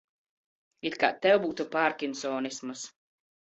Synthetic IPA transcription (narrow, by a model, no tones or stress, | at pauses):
it̪ka̰ːt̪ɛwbuːt̪upaːɾkʲinsɔːnismɨs